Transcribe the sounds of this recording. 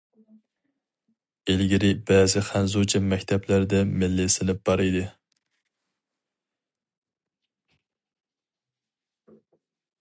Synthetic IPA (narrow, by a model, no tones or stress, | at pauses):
elɡʲiɾɪbɛːzɪχænzut͡ʃʰɛmɛkʲt̪ʰɛplæɾd̪ɛmɪlːɪsɪnɪp̚b̥ɑɾijd̪ɨ